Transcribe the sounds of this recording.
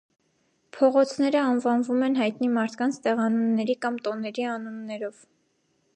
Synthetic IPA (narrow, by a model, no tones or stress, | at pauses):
pʰɔʁɔt͡sʰnɛɾəɑnvɑnvumɛn̪ɦɑjt̪nimɑɾt̪ʰkɑnt͡sʰt̪ɛʁɑnunːɛɾikɑmt̪ɔnɛɾiɑnunːɛɾɔv